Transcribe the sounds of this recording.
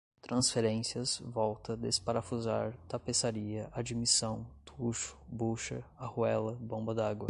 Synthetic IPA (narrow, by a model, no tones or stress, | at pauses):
t̪ɾɐ̃sfeɾẽsiɐsvɔwt̪ɐd̪espaɾafuzaɾt̪apesaɾiɐʔad͡ʒimisɐ̃w̃t̪ʰuʃʊ̥buʃɐ̰ahuɛlɐbõbɐd̪aɡwɐ